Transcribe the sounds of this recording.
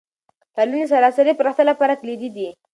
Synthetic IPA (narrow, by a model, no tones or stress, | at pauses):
t̪alunis̬aɾɑsaɾipɾaxt̪alapɑɾak̪lid̪id̪i